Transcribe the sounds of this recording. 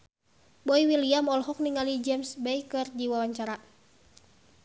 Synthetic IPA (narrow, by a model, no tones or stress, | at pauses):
bɔiwiliamɔlɦɔk̚niŋalid͡ʒɛmsbɛikɨrdiwawaɲt͡ʃaɾa